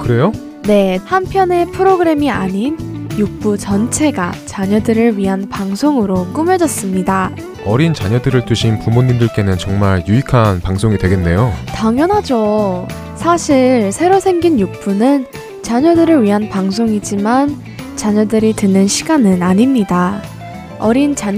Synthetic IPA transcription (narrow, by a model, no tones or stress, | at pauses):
kɯɾe̞jo | ne̞hampʰjʌne̞pʰɯɾoɡɯɾe̞miaɲinjuk̚p͈ut͡ɕʌnt͡ɕʰe̞ɡat͡ɕaɲʌdɯɾɯɭɥiɦanpaŋsʰoŋɯɾok͈ɯmjʌd͡ʑʌs͈ɯmɲida | ʌɾint͡ɕaɲʌdɯɾɯɭtuɕʰinpumoɲːimdɯɭk͈e̞nɯnt͡ɕʌŋmaɾjuikʰanpaŋsʰoŋidweɡe̞nːe̞jotaŋjʌnɦad͡ʑo | sʰaɕʰiɭsʰe̞ɾosʰe̞ŋɡinjuk̚p͈unɯn | t͡ɕaɲʌdɯɾɯɭɥiɦanpaŋsʰoŋid͡ʑiman | t͡ɕaɲʌdɯɾitɯnɯnɕʰiɡanɯnaɲimɲida | ʌɾint͡ɕa